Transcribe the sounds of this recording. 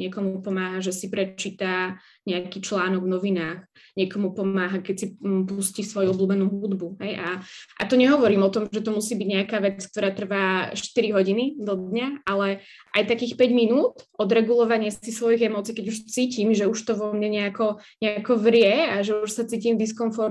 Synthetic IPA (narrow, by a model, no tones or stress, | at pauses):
ɲɪɛkɔmupɔmaːɦaʒɛsipɾɛt͡ʃiːt̪a | ɲɛakiːt͡ʃlaːnɔɡvnɔʋinaːx | ɲɛkɔmupɔmaːɦakɛcsipuscisʋɔjuɔbluːbɛnuːɦud̪buɦɛjʔaʔa̰t̪ɔɲɛɦɔʋɔɾiːmɔt̪ɔmʒɛt̪ɔmusiːbiɟɲɛakaːʋɛt͡sk̚t̪ɔɾaːt̪r̩ʋaːʃt̪iɾiɦɔɟinid̪ɔd̪ɲaʔalɛ | ʔajt̪akiːxpɛɟminuːt̪ʔɔd̪ɾɛɡulɔʋaɲɪɛsisʋɔjiɣɛmɔt͡siːkɛɟuʃt͡siːcimʒɛuʃt̪ɔʋɔmɲɛɲɛakɔɲɛakɔʋɾɪɛaʒɛuʃsat͡siːcimd̪iskɔɱfɔɾ